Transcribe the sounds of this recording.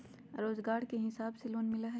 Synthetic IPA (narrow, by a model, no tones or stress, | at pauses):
ɾoːzɡaːɾkeɦɪsaːbseloːnmɪlaɦɛː